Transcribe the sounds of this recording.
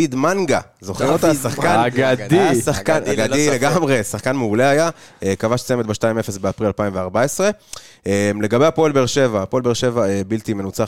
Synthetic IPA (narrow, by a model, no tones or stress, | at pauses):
id̪manɡa | zo̞χemot̪asaχkanɡad̪isaχkanaɡad̪ileɡamʁesaχkanmeule̞ajaekavaʃt͡sjemet̚beʃtaime̞fesbeapʁilalpaimveaʁbae̞sʁe̞ | emle̞ɡabe̞japoelbeʁʃe̞vapoelbeʁʃe̞vaebilt̪ime̞nut͡sa